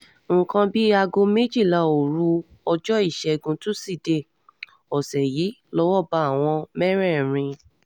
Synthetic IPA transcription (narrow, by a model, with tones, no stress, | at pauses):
ŋ̩˨kã˧bi˦a˧ɡo˧me˦d͡ʒi˦˨la˨o˨ɾu˦ | ɔ˧d͡ʒɔ˦i˦˨ʃɛ˧ɡũ˧tũ˦si˦˨de˦˨ | ɔ˨sɛ˨ji˨˦lɔ˦wɔ˦˨ba˧˦a˦˨w̃ɔ̃˧mɛ˦ɾɛ˦˨ɾ̃ĩ˧